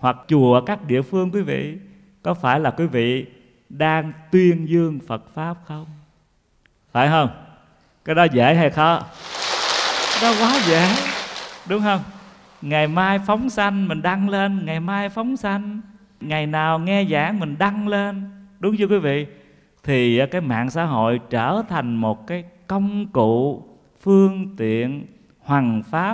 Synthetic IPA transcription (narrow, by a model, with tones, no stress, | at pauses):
hwa˨˩k̚t͡ɕu˨˩˨kaː˦˥k̚ɗḭ˧˨əfɨ˧əŋkwi˨˦vḭ˧˨ | kɔ˨˦faː˧˩jlaː˨˩kwi˨˦vḭ˧˨ | ɗaː˧ŋt̪wi˧ənzɨ˧əŋfə˨˩t̚faː˦˥p̚xə˧wŋ͡m | fa̰ː˧˩jɦəː˧wŋ͡m | kaː˨˦˥jɗɔ˨˦zə̰ː˧˩jɦa˧jxɔ˨˦ | kkaː˦jɗɔ˨˦kwaː˨˦zaː˧˨˩ŋɗʊ˨˦ŋ͡mhə˧wŋ͡m | ŋa˨˩jmaː˧jfə˨˦wŋ͡msa˧jŋ̟mï˨˩ŋ̟ɗa˧ŋle˧nŋa˨˩jmaː˧jfɔ˨˦wŋ͡msa˧jŋ̟ | ŋa˨˩jnaː˨˩wŋɛ˧za̰ː˧˩˦ŋmï˨˩ŋ̟ɗa˧ŋle˧nɗʊ˨˦ŋ͡mzu˧kwi˨˦vḭ˧˨ | t̪ʰiː˨˩˨kaː˨˦jma̰ː˧˨ŋsaː˧˥ɦo̰˧˨jt͡ɕəː˧˩t̪ʰa˨˩jŋ̟mo˨˩t̚kaː˨˦jkə˧wŋ͡mkṵ˧˨ | fɨ˧əŋt̪ḭ˧˨ən | hwaː˨˩ŋfaː˦˥p̚